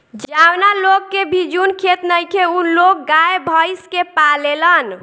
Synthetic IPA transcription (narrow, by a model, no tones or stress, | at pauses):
d͡ʒawnalokːebʱid͡ʒunkʰet̪nəjkʰeulok̚ɡaebʱəjskepalelən